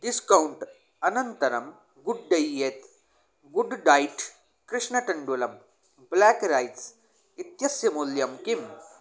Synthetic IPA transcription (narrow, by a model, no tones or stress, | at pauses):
ɖiskɐuɳʈ | ɐnɐnt̪ɐɾɐm | ɡuɖɖɐjːet̪ | ɡuɖɖaːjʈ | kɾiʂɳɐʈɐɳɖulɐm | blækɾajt͡s | it̪jɐsjɐmuljɐmkim